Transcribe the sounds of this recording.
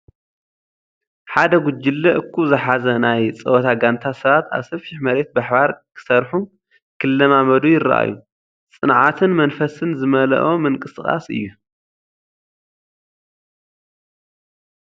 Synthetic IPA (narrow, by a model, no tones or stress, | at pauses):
ħad̪ɐɡʊd͡ʒɪlːɐʔɨkʰːuzɨħazɐnajt͡sʼɐwɐt̪ʰaɡant̪ʰasɐβat̪a̰βsɐfɪħmɐɾe̞t̪̚baħbaɾkʰɨ̥sɐɾħu | kʰɨlːɐmamɐd̪ujɪrɐ̰ʔa̰ju | t͡sʼɨnʕat̪ʰɨnmɐnfɐsɨnzɨmɐlɐ̰ʔomɨŋkʼɨsχʼa̰sɨ̰jːu